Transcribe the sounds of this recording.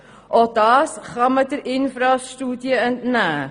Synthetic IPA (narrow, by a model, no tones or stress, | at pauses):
ʔɔdɑːsχɑmətəɾɪnfɾɑːstuːdiəəntnæː